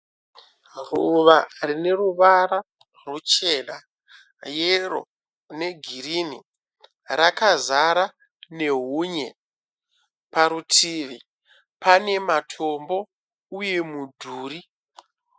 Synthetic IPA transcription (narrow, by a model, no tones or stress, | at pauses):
ruʋarine̞ruʋaɾa | rut͡ʃeːna | jero̰ | ne̞ɡʱirinḭ | rakazaɾa | ne̞ɦuːɲe | paɾutʰiːʋi | pane̞matʰo̞mbo̞ | uje̞mudʱuːri